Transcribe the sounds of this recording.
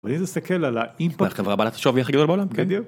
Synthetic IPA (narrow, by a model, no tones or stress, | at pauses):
aninist̪akʰelalaimpaχevʁabalat̪ḁʃovjaχd̪ɡad̪olbeolamkend̪u